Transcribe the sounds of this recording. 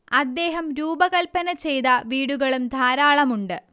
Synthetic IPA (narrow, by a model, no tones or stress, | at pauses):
ɐd̪ːe̞ːɦɐmɾuːbɐɣɐlpɐnɐt͡ɕe̞jt̪ɐʋiːɽuɣɐɭumd̪ʱaːɾaːɭɐmuɳɖɨ